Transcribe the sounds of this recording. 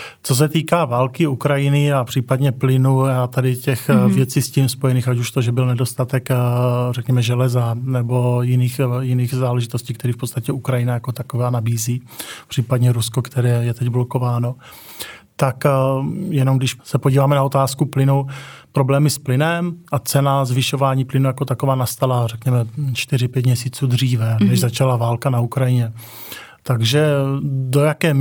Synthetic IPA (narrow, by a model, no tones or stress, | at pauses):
t͡sos̬ɛt̪iːkaːvaːlkɪukɾajɪnɪapr̝̥iːpadɲɛplɪnujat̪adɪcɛxvjɛt͡siːscimspo̞jɛniːxacuʃt̪oʒɛbɪlnɛdo̞st̪at̪ɛkrɛkɲɛmɛʒɛlɛzanɛbo̞jɪniːxjɪniːɣzaːlɛʒɪt̪o̞sciːkt̪ɛɾiːfpott͡st̪acɛukɾajɪnajako̞t̪akovaːnabiːziː | pr̥iːpadɲɛɾusko̞kt̪ɛɾɛːjɛt̪ɛɟbloko̞vaːno̞ | t̪ak | jɛno̞mɡdɪʃsɛpoɟiːvaːmɛnao̞t̪aːskuplɪnupɾo̞blɛːmɪsplɪnɛmʔat͡sɛnazvɪʃo̞vaːɲiːplɪnujako̞t̪akovaːnast̪alarɛkɲɛmɛt͡ʃt̪ɪɾɪpjɛt̪̬mɲɛsiːt͡suːd̪r̝iːvɛnɛʒzat͡ʃalavaːlkanaukɾajɪɲɛ | t̪aɡʒɛdo̞jakɛː